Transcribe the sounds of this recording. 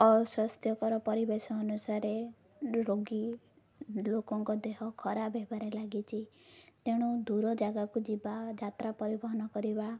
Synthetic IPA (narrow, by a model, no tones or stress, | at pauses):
ɔsɔst̪ʰjɔkɔɾɔpɔɾibesɔːnusaɾe | ɾoɡi | lokɔŋkɔd̪eɦɔkʰɔɾabebaɾelaɡit͡ʃʰit̪eɽ̃ud̪uɾɔd͡ʒaɡakud͡ʒibad͡ʒat̪ɾapɔɾibɔɦɔnɔkɔɾiba